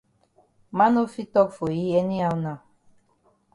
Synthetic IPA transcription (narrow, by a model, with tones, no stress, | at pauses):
ma˦no˦fi˦tɔ˦kfo˨ji˦ɛ˦ni˦a˦wnã˨